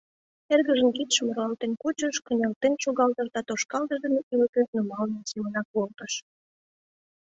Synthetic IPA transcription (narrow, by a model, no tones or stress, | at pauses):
erɣəʒənkit̪ʃməɾɑlt̪enkut͡ɕəʃkə̆nʲelt̪enʃuɣɑlt̪ə̆rt̪ɑt̪oʃkɑld̪əʒd̪emeʔylətkøt̪̚numɑlnənsimənɑk̚βolt̪əʃ